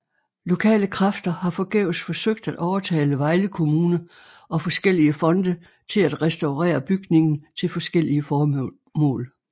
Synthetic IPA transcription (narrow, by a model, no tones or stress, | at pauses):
lo̝kʰɛ̰ːləkʰʁɑfd̥ɐhɑ̈fɒ̽ɡ̥ɛ̰ʊsfɒ̽søɡ̥̚d̥æd̥ʔɒʊɐt͡sʰɛ̰ːləʋɑ̈ɪləkʰo̝muːnə | ʔɒ̽fɒ̽sɡ̥el̰iəfɒ̽nd̥ə | t͡sʰe̝læd̥ʁɛsd̥ɑ̈ʊʁɛ̰ːɐb̥yɡ̥ne̝ŋn̩t͡sʰe̝lfɒ̽sɡ̥el̰iəfɒː | mɔ̰̽ːl